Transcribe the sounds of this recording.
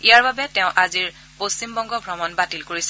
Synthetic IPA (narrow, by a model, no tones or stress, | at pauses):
ijaɹbabɛtɛʊ̃ʔaziɹ | post͡ʃimbɔŋɡɔɡʱɹɔmɔnbatilkoɹisɛ